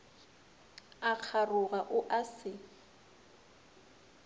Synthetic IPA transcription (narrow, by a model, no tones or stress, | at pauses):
aq͡χʰarʊɣaʔʊʔasɪ